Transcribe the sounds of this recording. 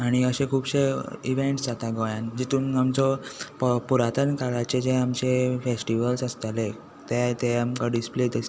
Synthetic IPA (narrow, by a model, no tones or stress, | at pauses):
aɽ̃iəɕẽkʰuːbɕeḭʋeɳʈsd͡zat̪aɡɔjand͡ʑit̪uːnamt͡sɔppuɾat̪ənkaɭat͡ɕed͡ʑeamt͡ɕefesʈiʋəlsəst̪ale | t̪et̪eamkaɖispled̪es